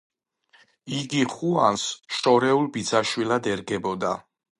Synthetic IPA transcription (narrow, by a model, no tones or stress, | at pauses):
iɡiχuansʃɔɾɛulˠbid̪zaʃwilad̪ɛɾɡɛbɔd̪a